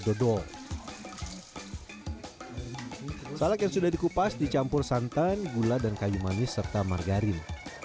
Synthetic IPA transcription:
dɔdɔ | salakjaŋsudahdikupasdit͡ʃampʊrsant̪anɡuladankajumanɪsərt̪amarɡaɾɪn

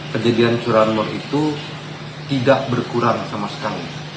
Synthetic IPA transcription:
pəd͡ʒadiant͡ʃuɾanmɔrit̪u | t̪idaʔbərkuɾaŋsamasə̥kalḭ

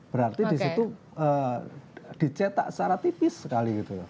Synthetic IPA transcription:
b̥əɾart̪idisit̪u | ə | d̪̥i̤t͡ʃet̪a̰ʔsaɾat̪ipɪsːəkaliɡit̪uj

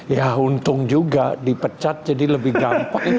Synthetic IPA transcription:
jaunt̪ʊŋd͡ʒuɡadipət͡ʃat̪̚d͡ʒadiləbɪhɡampaŋi

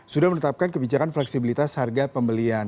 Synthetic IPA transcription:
sudahmənət̪ap̚kankəbid͡ʒakanflɛksibilit̪asharɡapəmbəlian

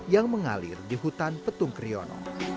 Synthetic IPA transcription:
jaŋməŋa̰lɪ̰rdiɦut̪anpət̪uŋkɾiɔnɔ̰

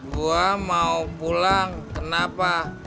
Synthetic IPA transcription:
buamaupulaŋkənapa

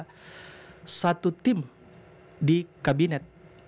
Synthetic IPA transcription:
sat̪ut̪ɪm | dikabinɛt̪̚

